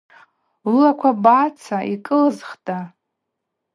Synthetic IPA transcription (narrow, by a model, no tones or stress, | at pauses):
lakʷʰabat͡sʰaʔikʼɨlzχtʼa